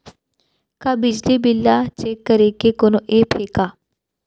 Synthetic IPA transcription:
kabɪd͡ʒlibɪlːat͡ʃekːəɾekekonoʔepʰeːka

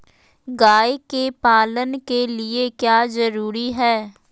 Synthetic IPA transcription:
ɡaːekeːpaːlənkeːlɪeːkjaːzəɾuːɾiːɦɛː

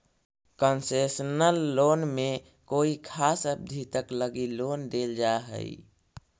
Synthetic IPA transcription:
kənsesənəlːonme | koikʰasəb̚d̪ʱit̪əkləɡilond̪eld͡ʒaɦə̰ḭ

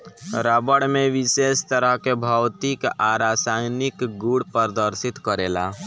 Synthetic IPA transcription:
ɾabəɽmẽʋɪseːst̪əɾəɦkebʱawt̪ikaɾaːsajnɪkɡuɽpəɾd̪əɾsɪt̪kəɾeːla̰

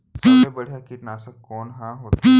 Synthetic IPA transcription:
sɐebɐɽ̤jakiʈnaːsəkkɔːnɦãɦoːt̪i

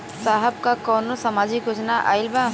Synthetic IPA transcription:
saːɦəb̚kakɔːnosɐmaːd͡ʒɪkʊd͡ʒnaʔa̰ːɪlba

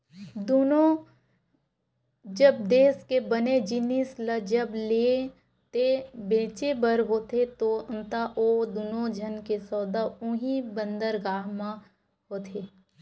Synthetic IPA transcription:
d̪ono | d͡ʒəbd̪eːskebəned͡ʒɪnisləd͡ʒəbleː | t̪ebeːt͡ʃebəɾɦoːt̪et̪oə̃nt̪aʔoːd̪uːnod͡ʒʱənkesɔːd̪aʊ̃ɦibə̃nd̪əɾɡaːɦmã | ɦoːt̪ʰeː

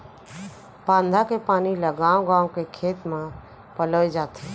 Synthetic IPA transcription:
pãːnd̪ʱakepaːniləɡaːwõɡãːwkekʰeːt̪mẽ | pələjd͡ʒaːt̪e

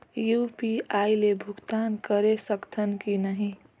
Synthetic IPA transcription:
juːpiailebʱʊɡt̪aːnkəɾesəkt̪ʰənkinəɦĩ

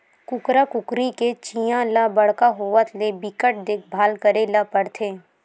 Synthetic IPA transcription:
kʊkɾakʊkɾiket͡ʃijãlabəɽ̤kaɦoːʋət̪lebɪkəʈ̚d̪ekʰbʱaːlkəɾelapəɽt̪ʰeː

